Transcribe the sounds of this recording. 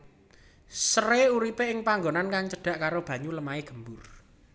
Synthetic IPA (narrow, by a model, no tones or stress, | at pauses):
səreuɾipeɪŋpaŋɡonankaŋt͡ʃəɖ̥a̤ʔkaɾob̥ä̤ɲuləmaeɡ̥ə̤mbʊr